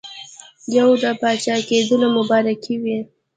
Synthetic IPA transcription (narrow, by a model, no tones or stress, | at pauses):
jawd̪əpɑt͡ʃɑked̪unomʊbɑɾakiwi